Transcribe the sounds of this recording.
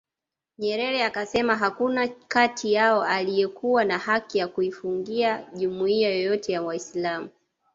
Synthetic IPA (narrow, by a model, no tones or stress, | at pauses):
ɲɛɾɛɾɛakasɛmaɦakunakatʰijaɔalijɛkuwanahakijakuifuŋɡiaʄumuiajɔjɔtʰɛjawaislamu